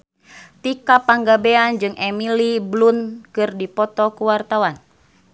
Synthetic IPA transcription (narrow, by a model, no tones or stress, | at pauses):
t̪ikapaŋɡabeand͡ʒɨŋʔɛmiliblunkɨrdipɔt̪ɔkuwart̪awan